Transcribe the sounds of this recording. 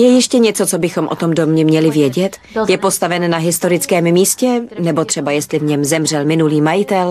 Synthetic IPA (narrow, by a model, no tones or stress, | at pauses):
jɛjɪʃcɛɲɛt͡sot͡so̞bɪxo̞mʔot̪o̞mdomɲɛmɲɛlɪvjɛɟɛt̪ | jɛpo̞st̪avɛnnaɦɪst̪o̞ɾɪt͡skɛːmmiːscɛnɛbo̞t̪r̝̥ɛbajɛst̪lɪvɲɛmzɛmr̝ɛlmɪnuliːmajɪt̪ɛl